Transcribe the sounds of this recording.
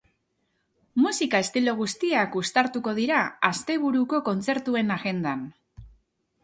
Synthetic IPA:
musikae̞st̪ilo̞ɣ̞ust̪iakust̪aɾt̪uko̞ð̞iɾaast̪e̞β̞uɾuko̞ko̞nt͡se̞ɾt̪ue̞naɣe̞nd̪an

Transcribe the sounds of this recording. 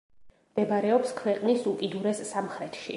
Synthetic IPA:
md̪̥ɛbaɾɛɔpskʰwɛqʼnisukʼid̪uɾɛsːamχɾɛt̪ʰʃi

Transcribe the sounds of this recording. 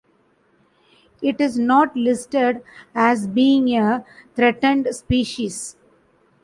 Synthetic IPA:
ɪʈɪznɔːʈlɪsʈeɖæzbiːɪ̃ŋet̪ʰɾɛʈə̃ɳɖspiːʃis

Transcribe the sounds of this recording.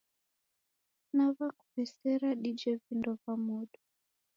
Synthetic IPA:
navaku̥vɛsɛɾaɗid͡ʒɛvindɔvamɔɗɔ

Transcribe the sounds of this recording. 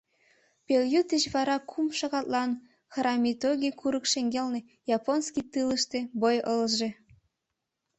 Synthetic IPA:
pʲelʲjut̪eɕβɑɾɑkʰumʂɑɣɑt̪lˠɑn | xrɑmʲit̪oɡʲikʰuɾɤ̆kʃeŋɡʲelʲne | jɑponskʲit̪ɯləʃt̪ĕbojɤlʒĕ

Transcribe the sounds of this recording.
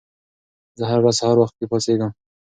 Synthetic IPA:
zəɦaɾːazhaɾwaxt̪̚keposeɡəm

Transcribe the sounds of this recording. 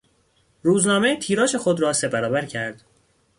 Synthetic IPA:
ɾuːznɒːme̞t̪ʰiːɾɒːʃe̞xod̪ɾɒːse̞bæɾɒːbæɾcʰæɾd̪̥

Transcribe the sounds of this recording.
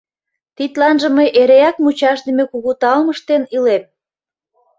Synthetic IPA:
t̪it̪lɑnʒə̆məjʔeɾeɑk̚mut͡ɕɑʃd̪eəmekuɣut̪ɑlməʃt̪enilem

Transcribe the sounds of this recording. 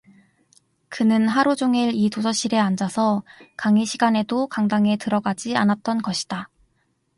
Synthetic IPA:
kɯnɯnɦaɾud͡ʑoŋiɾitosʰʌɕ͈iɾe̞and͡ʑasʰʌkaŋiɕʰiɡane̞dokaŋdaŋe̞tɯɾʌɡad͡ʑia̰nat̚t͈ʌnɡʌɕʰi̥d̥a

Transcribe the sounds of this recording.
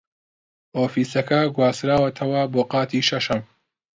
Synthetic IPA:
ʔoːfiːsɐkɐɡwaːsɾaːwɐt̪ʰɐwɐboːqɑːt̪ʰiːʃɐʃɐm

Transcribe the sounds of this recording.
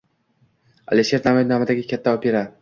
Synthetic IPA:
a̰liʃeɾamanamad̪aɡʲɪkʲʰat̪ːaɒpeɾa

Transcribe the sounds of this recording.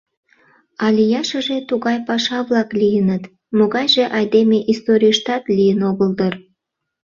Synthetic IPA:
ɑlʲijɑʃəʒet̪uɣɑjpɑʃɑβlɑklijənət̪ | moɣɑjʒeʔɑjd̪emeʔist̪oɾʲijəʃt̪ɑt̪lʲijənoɣəld̪ər

